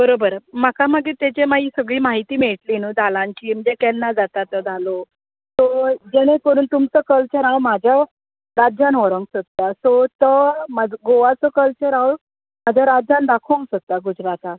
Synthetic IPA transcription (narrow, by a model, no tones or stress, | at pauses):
bəɾobəɾmakaməɡet̪at͡ɕemaiːsəɡɭiːmaɦit̪iːmeɭʈ̪linəːd͡z̪alãɲt͡ɕiːm̤əd͡ʑekɛlnad͡zat̪at̪əd͡zʱalo | sod͡ʑɛɽ̃epəɾuːnt̪umt͡səkəlt͡ɕəɾawmad͡ʑʱja | ɾad͡ʑanʋɔɾəŋɡsət̪ːasot̪əmaɡoʋat͡səkəlt͡ɕəɾaw | mad͡ʑʱjaɾad͡ʑand̪akʰoŋɡsət̪ːaɡud͡ʑɾat̪a